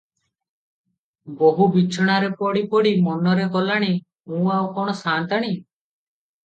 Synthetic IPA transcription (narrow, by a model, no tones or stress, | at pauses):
boɦubit͡ʃʰɔɽ̃aɾepɔɽipɔɽimɔnɔɾekɔlaɽ̃i | mũawkɔɽ̃ɔsant̪aɽ̃i